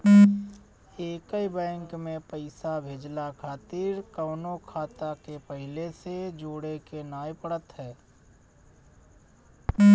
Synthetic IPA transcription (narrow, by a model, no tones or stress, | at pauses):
eːkəibɛ̃ːŋkmẽpəɪsabʱeːd͡ʒlakʰaːt̪iɾkəːnokʰaːt̪akepəɦɪlesed͡ʒoːɽekenaːjpəɽət̪ɦɛː